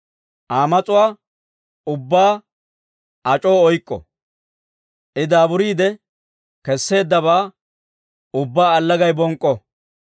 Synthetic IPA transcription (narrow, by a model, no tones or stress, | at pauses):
ʔaːmɐt͡sʼʊwaː | ʊbːaː | ɐt͡ʃʼoːɔjkʼːɔ̰ | ʔɪd̪aːbʊɾiːd̪ɛ | kɛsːe̞ːd̪ːɐβaː | ʊbːaːɐlːɐɡɐjbɔŋkʼːɔ